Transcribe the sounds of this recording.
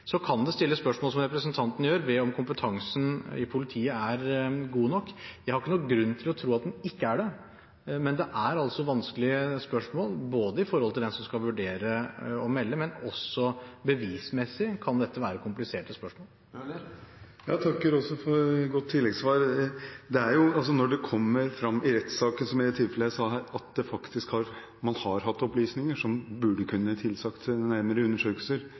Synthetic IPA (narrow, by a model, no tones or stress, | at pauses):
sɔkʰɑnd̪ɛst̪ɪlːəspœʂmoːlsɔmɾɛpɾəsənt̪ʰɑnt̪ən̩jøːɾʋɛɔmkʰʊmpət̪ʰɑŋsən̩ɪ̰pʰʊlɪt̪ʰiːəæɾɡuːnɔkːjæɪhɑɾɪkːənuːɡɾʉnːt̪ʰɪlɔt̪ʰɾuːɑt̪̚d̪ɛnɪkːəæɖɛ | mɛnd̪ɛʔæɾɑlsɔʋɑnskəlɪəspœʂmoːlboːd̪əɪfɔɾhɔlt̪ʰɪld̪ɛnsɔmskɑlʋʉɖeːɾəɔmɛlːəmɛnɔsːɔbəʋiːsmɛsɪkʰɑnd̪ɛt̪ʰːəʋæːɾəkʰʊmplɪseːʈəspœʂmoːl | jɑːt̪ʰɑkːəɾɔsːɔfɔɾɡɔt̪ʰːɪlːɛɡsʋɑːɾd̪ɛæɾjʊɑls̬ɔnɔɖɛkʰɔmːəɾfɾɑmːɪɾɛt̪sɑːkənsɔmæɛt̪ʰɪlfɛləjæsɑːɦæːɾɑt̪̚d̪ɛfɑkt̪ɪskhɑɾ | mɑnhɑɾɦɑt̪ːɔplyːsnɪŋəʂɔmbʉɖəkʰʉnːət̪ʰɪlsɑkt̪næɾməɾəʉnːəʂøːkəlsəɾ